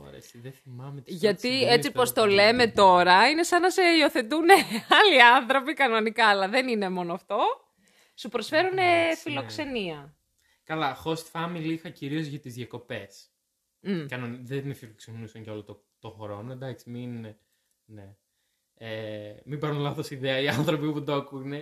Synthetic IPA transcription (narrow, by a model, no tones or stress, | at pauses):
o̰ɾḛsiðeθimɐmet̪ʝɐt̪iet͡sipo̞st̪o̞le̞me̞t̪o̞ɾɐine̞sɐnɐse̞io̞θe̞t̪uneɐliɐnθɾo̞pikɐno̞nikɐːlɐðe̞nine̞mo̞noɐft̪o̞ | supɾo̞sfe̞ɾune̞filo̞kse̞niɐ | kɐlɐxo̞st̪fɐmilixɐciɾio̞zʝɐt̪izðjɐko̞pe̞s | m̩kɐnonðemfiloksenusɐɲcɐo̞lot̪o | t̪oxoɾo̞noend̪ɐksimin | ne | emibɐɾunlɐθo̞siðeɐiɐnθɾo̞pipud̪okune